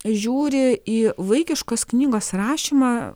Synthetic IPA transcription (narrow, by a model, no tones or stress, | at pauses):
ʒʲuːɾʲɪiːʋɐɪkʲɪʃkoːsknʲiːɡoːsrɑːʃʲiːmɑ